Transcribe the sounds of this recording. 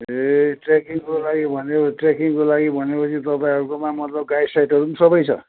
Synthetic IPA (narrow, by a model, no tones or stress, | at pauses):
eʈrekiŋkolaɡibʱʌneʈrekiŋkolaɡibʱʌnepʌt͡sʰit̪ʌpãĩɦʌɾukomamʌt̪lʌb̚ɡajsajʈʌɾusʌbʌjt͡sʰʌ̰